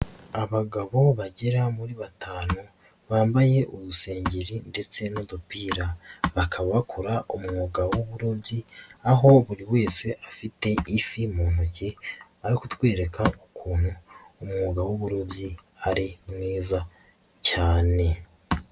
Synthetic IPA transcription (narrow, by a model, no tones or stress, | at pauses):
aβaɡaβo̞βaɟeɾamuɾiβatʰaːnu | βaːmbaje̞ʔuβuse̞ːɲɟiɾinde̞t͡se̞nudupiːɾaβakʰaβaβakʰuɾaʔomŋoɡawoβuɾo̞bɟiaɦo̞βuɾiwe̞ːse̞ʔafite̞ifimoːnoce | aɾikut̪we̞ːɾe̞kʰaukʰuːn̥huːmŋuːɡawoβuɾo̞bɟiaɾimŋeːza | caːne̞